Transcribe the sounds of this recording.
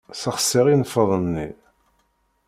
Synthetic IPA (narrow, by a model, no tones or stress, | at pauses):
səχə̥sːiʁinəfːəðˤənːḭ